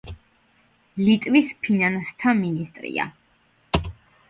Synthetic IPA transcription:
lit̪ʼvispʰinanst̪ʰaminist̪ʼɾḭa̰

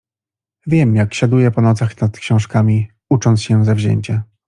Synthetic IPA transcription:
vʲjɛmjakɕad̪ujɛpɔnɔt̪saxnat̪kɕɔ̃w̃ʂkamʲi | ut͡ʂɔnt̪sɕɛzavʑḛɲt͡ɕa

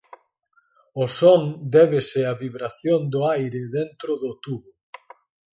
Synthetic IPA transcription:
ʊsond̪ɛβesɪaβiβɾaθjond̪ʊajɾeðent̪ɾʊðʊt̪uβʊ

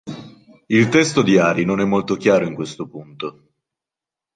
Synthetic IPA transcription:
ilt̪ɛst̪od̪iaːɾinonɛmːolt̪ok̟jaːɾoiŋkwest̪opunt̪o

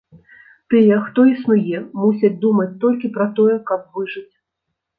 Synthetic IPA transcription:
t̪ɨjɛxt̪ɔisnujɛmusʲɐt͡sʲd̪umɐt͡sʲt̪ɔlʲkʲipɾɐt̪ɔjɛkɐp̚vɨʐɨt͡sʲ

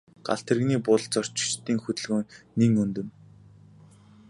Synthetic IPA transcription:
ɢ̥a̰ɬt̪ĕrɣniːpʊɮt͡sɔr̥t͡ɕɪ̥̆t͡ɕt̪iːŋxɵt̪ɵ̆ɮɣoːniŋɵnt̪ɵ̆m

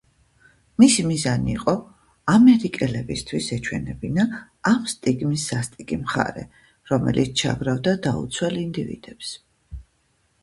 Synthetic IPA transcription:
misimizaniːqʼɔ | amɛɾikʼɛlɛbist̪ʰwisɛt͡ʃʰwɛ̰nɛbinaː | mst̪ʼiɡmisːast̪ʼikʼimχa̰ɾɛ̰ | ɾɔmɛ̰lit̪sʰt͡ʃʰa̰ɡɾavd̪ad̪aṵt̪sʰwɛlind̪ivḭd̪̥ɛps

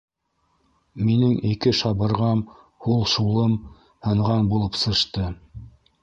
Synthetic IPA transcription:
minɘŋikɘʃɑβɤ̆ɾʁɑm | hulˠʃulˠɤm | hɤ̆ɴʁɑnbulˠɤpsɤ̆ʃt̪ɤ

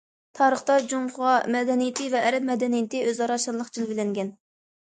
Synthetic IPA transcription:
t̪ʰɑːɾəχt̪ɑd͡ʒomʊʁɑmɛd̪ɛnijɪt̪ʰɪvɛʔːɾɛp̚mɛd̪ɛnijɪt̪ɪøzɑɾɑʃɑnlˠəχqd͡ʒʰilˠvɪlɛŋɡʲɛn

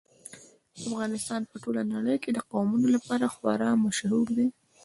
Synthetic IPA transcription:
afɣɑnɪst̪ɑnpəʈolanaɽəjoked̪əqawmunolapɑɾaxwa̰ɾɑmaʃhuɾd̪i

